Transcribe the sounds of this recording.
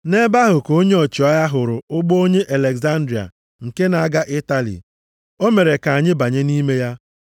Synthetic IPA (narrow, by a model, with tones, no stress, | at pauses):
ne˦ba˦ɦʊ˨ko˦ɲe˦o˨t͡ʃi˨ɔ˦ja˦ɦʊ˨ɾʊ˨ʊ˦ɡ͡bo˦o˦ɲe˦ʔa˨le˨kza˦n̩˦dɾi˨a̰˨ | ŋ̩˨ke˦na˨a˦ɡa˦ʔɪ˦ta˦lḭ˨ | o˦me˨ɾe˨ka˨ɲɪ˦ba˨ɲe˦ni˦me˦ja˦